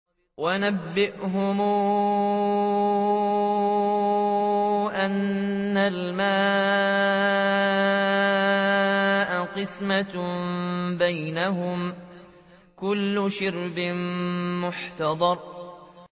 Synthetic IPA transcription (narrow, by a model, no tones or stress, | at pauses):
wanabːɪʔɦʊmː | ʔanːalmaː | ʔaqɨsma | bajnaɦʊm | kʊlːʊʃɪɾbɪmmʊħt̪ɑd̪ˤɑɾˤ